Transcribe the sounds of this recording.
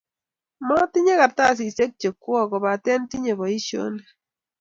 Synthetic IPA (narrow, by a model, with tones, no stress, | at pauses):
mɔ˦ti˦ɲe˦ka˨ta˦˨s̬i˨se˦k̚t͡ʃe˨kːwɔ˦kɔ˨ba˨tɛ˦nti˦ɲe˨βɔ˨i˦ʃjo̰˦ne˨